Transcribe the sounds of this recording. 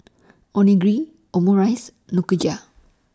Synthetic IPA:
ɔniɡɾi | ɔmuɾajs | nukɯd͡ʒa

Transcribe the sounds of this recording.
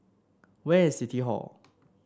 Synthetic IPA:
wɛsit̪ʰiɦɔ̰l

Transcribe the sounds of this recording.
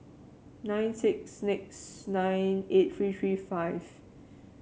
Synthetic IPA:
nãɪ̃nsɪk̚snɪk̚snãɪnet̚θɹiːtɹiːfaɪv̥

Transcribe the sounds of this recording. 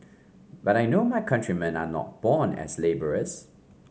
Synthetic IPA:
baɾajnoːmaɪkʰʌ̃ntʰɹimɛ̃na̰nɔ̰t̚b̥ɔːnɛ̰zleɪbəɹəs

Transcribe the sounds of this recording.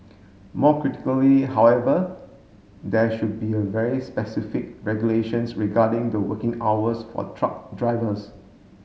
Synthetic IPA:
mɔkɹitɪ̥kəliɦawɛvə | dɛʃud̚biəvɛɹispɛsifɪk̚ɹɛɡjuleʃə̃nsɹiɡadɪ̃ŋd̪əwəkɪ̃ŋawəsfɔ̰tʰɹak̚dɹaɪvəs

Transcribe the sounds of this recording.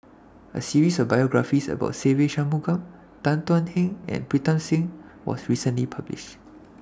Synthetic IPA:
ʔə̰siɹisɔfbajɔɡɹafisə̰ba̰ʊtseveʃãmuɡãm | tãntwãnhɛ̃ŋɛ̰̃npɹitə̃nsĩŋwɔ̰sɹisə̃nlipʰablḭʃt

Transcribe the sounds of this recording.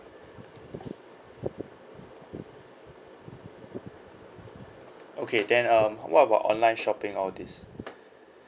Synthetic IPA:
ʔokʰedɛ̃nʌmwʔɔ̰taba̰ʊʔɔ̰̃nlãɪ̃nʃɔpɪ̃ŋɔldis

